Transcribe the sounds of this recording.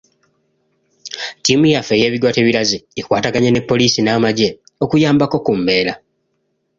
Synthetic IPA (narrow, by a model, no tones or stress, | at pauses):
timujafe̞je̞ːβidwate̞ːβiɾaziikwaːtaɡaɲene̞pːo̞liːsinaːmaɟe | o̞kujaːmbako̞kumːe̞ːla